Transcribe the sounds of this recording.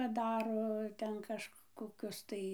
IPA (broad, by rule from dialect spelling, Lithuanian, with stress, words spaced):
pɐˈdɑːroː ˈtʲɛn kɐʃkkoːˈkʲʊs tɐɪ